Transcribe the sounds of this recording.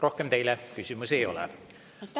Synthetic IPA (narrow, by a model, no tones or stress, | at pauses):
rohkemt̪eilekysymusiejo̰lɛ̰